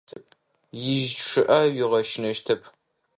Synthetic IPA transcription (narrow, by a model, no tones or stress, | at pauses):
p̚ | jɪʒʂɨʔɐɥiʁɐʃɪnɐʃtʰɐpʰ